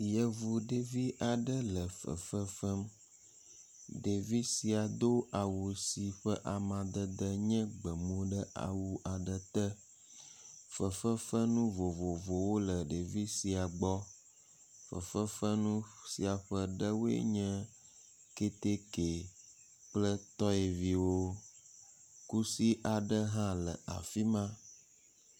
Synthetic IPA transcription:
jə˨vu˨ɖe˨vi˦ʔa˨ɖə˦lə˨fə̰˨fə˦fə˦m | ɖe˨vi˦si˨a˨d̪o˦ʔa˨wu˨si˨ɸə˦ʔa˨mã˨d̪ə˦d̪ə˦ɲɛ̃˦ɡ͡bə˨mõ˦ɖə˦ʔa̰˨wu˨ʔa˨ɖə˦t̪ə˦ | fə˨fə˦fə˦nũ˦vo˨vo˨vo˨wo˦lə˨ɖe˨vi˦si˨a˨ɡ͡bɔ˦ | fə̰˨fə˦fə˦nũ˦si˨a˨ɸə˦ɖə˦wo˦ḛ˦ɲɛ̃˦ | ke˦t̪e˦ke˨ | k͡plə˦t̪ɔ˦e˨vi˦wo˦ | ku˦si˦ʔa˨ɖə˦ɦã˦lə̰˨ʔa̰˨fi˦mã˦

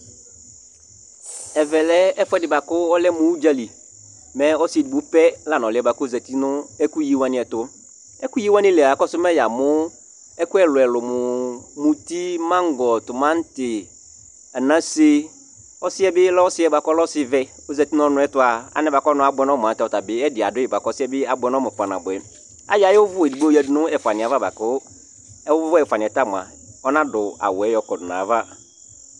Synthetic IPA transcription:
ɛ˨vɛ˨lɛ˦ɛ˦fʊ˦ɛ˦dɪ˨ba˨kʊ˦ɔ˦lɛ˦mũ˨wu˦d͡ʒa˦li˨ | mɛ̃˦ɔ˦sɪ˦ɛ˨di˨bʊ˨˦pɛ˦la˨nɔ̃˨lɪ˨ɛ˨ba˨kʊ˦zɛ˨ti˦nʊ̃˦ɛ˦ku˦ji˦wa˦nɪ̃˨ɛ˨tʊ˦ | ɛ˦ku˦ji˦wã˦nɪ̃˦lɛ˨a˨kɔ˦sʊ˦mɛ̃˦ja˨mʊ̃˦ | ɛ˦kʊ˦ɛ˦lʊ˨ɛ˨lʊ˨mʊ˨mũ˨ti˦mã˦ŋ˦ɡɔ˨tʊ˨mã˦n̩˦tɪ˨ | a˨nã˦si˦ | ɔ˦sɪ˦ɛ˦bɪ˦lɔ˦ɔ˦sɪ˦ɛ˦ba˨kɔ˦lɔ˦sɪ˦vɛ˦ | o˦zɛ˨ti˦nɔ̃˦nʊ̃˨˦ɛ˦tʊ˨˦a˨a̰˨˦nɛ̃˨˦ba˨kɔ˦nʊ̃˨˦a˨bʊ˨ɛ˨˦nɔ̃˦mʊ˨ã˨˦tɛ˨ɔ˨ta˨bɪ˦ɛ˦dɪ˨a˨dʊ˦ɪ˨ba˨kɔ˦sɪ˦ɛ˦bɪ˦a˦˨bʊ˨ɛ˨nɔ̃˦mʊ̃˨pa˨nã̰˨bʊ˨ɛ˨ | a̰˦ja˨jɪ˦wʊ˦vʊ˦ɛ˨di˨ɡ͡bo˦ɛ˨dnʊ̃˦ɛ˨fa˨nɪ̃˨a˨va˦ba̰˨kʊ˦ | ɛ˦ʊ˦ʊ˦vʊ˦ɛ˨fa˨nɪ̃˨ɛ˨ta˦˨mʊ˨a̰˨ | ɔ˦nã˦dʊ˨a̰˨wɛ˨˦jɔ˨kɔ˨dʊ˨nã̰˨va˦

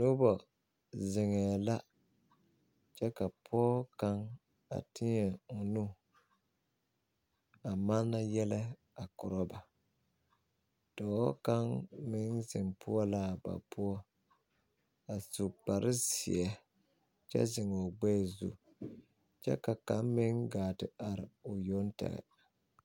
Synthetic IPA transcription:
no˦bɔ˨ | zɪ˨ŋɛ˨la˦ | t͡ʃɛ˦ka˨pʰɔ˦ɔ˦ka˦ŋ | a̰˨tʰi˦ɲɛ˨ʊ˨nu˦ | a˨ma˦na˦jɛ˦lɛ˦ | a˨kɔ˨ɾɔ˦ba˨ | d̥ɔ˨˦ka˦ŋmɪ˦ŋzɪ˨mpʰʊ˦ɔ˦la˦ba̰˨pʊ˦ɔ˦ | a˨su˨k͡pa˨ɾɪ˦sḭ˨ɛ˦ | t͡ʃɛ̰˦zɪ˨ŋɔ˨ɡ͡bɛː˦˨zṵ˦ | t͡ʃɛ̰˦ka˨ka˦mmɪ˦ŋɡaː˨tɪ˨a˨ɾɪ˨ʊ˨jo˦ntɛ̰˨ɣɛ̰˨

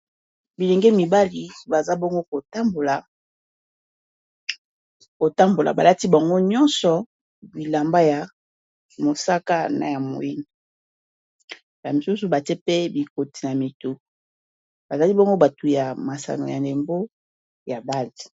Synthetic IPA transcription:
bi˨le˨ŋɡe˦mi˨ba˦li˨ba˨za˦bɔ˦ŋɡo˦ko˨ta˦mbo˨la˨ | ko˨ta˦mbo˨la̰˨ba˨la˦ti˦ba˨ŋɡo˦ɲɔ˦nsɔ˨ | bi˨la˨mba˦ja˨ | mo˨sa˦ka˦na̰˨ja˨mo̰˨ji˦ni˨ | ba˨mi˨su˦su˨ba˨te˦pe˦bi˨ko˨ti̥˨na˨mi˨to˦ | ba˨za˨li˦bɔ˦ŋɡo˦ba˨tu˨ja˨ma˨sa̰˨no̰˨ja˨nle˨mbo˦ | ja˨ba˦li˨

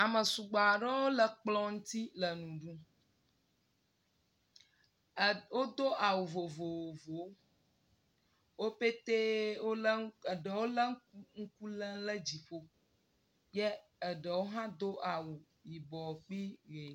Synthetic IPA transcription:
a˨mə˨su˨ɡ͡ba˨ɖɛ˦wo˦lə˨k͡plɔ̃˦ŋ̩˦t̪i˦lə˨nũ˨ɖũ˦˨ | wo˦d̪o˦ʔa˨wu˨vo˨vo˨o˨vo˨wo˦ | wo˦pe˦t̪e˦wo˦lə˦˨ɖə˨wo˦lə˦ŋ̩˦ku˦lə̃˦lə˦d͡ʑi˨ɸo˦ | jɛ˦ə˨ɖə˨wo˦ɦã˦d̪o˦ʔa˨wu˨ | ji˨bɔ˨k͡pi˦ɣe˨

